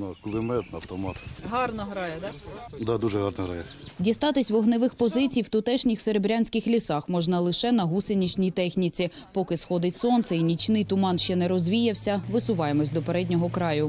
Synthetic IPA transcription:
nʊklˠɪmɛt̪nɐɐwt̪ɔmɑt̪ɦɑrnɔɦɾɑjɛd̪ɑd̪ɑd̪uʒɛɦɑrnɔɦɾɑjɛ | dʲist̪ɑt̪ɪsʲʋɔɦnɪʋɪxpɔzɪt͡sʲijwt̪ʊt̪ɛʃnʲɪxseɾebɾʲanʲsʲkɪxlʲisɑxmɔʒnɐlˠɪʃɛnɐɦusenʲit͡ʃnʲijt̪ɛxnʲit͡sʲi | pɔkɪsxɔd̪ɪtʲsɔnt̪sɛinʲit͡ʃnɪjt̪ʊmɑnʃt͡ʃɛnɛɾɔzʲʋʲijɐwsʲɐʋɪsʊʋɑjemɔsʲd̪ɔpeɾɛdʲnʲɔɦɔkɾɑjʊ

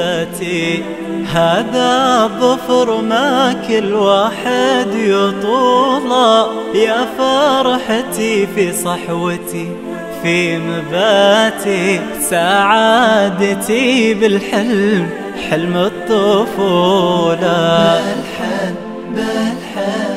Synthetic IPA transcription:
t̪i | haːðaðˤɑfɾmakɪlwaːħɪd̪jɨt̪ˤuːla | jafɑːɾˤɑħt̪ifisˤɨħwat̪i | fimabaːt̪i | saʕaːd̪t̪ibɪlħɪlm | ħɪlmɨt̪ˤːʊfula

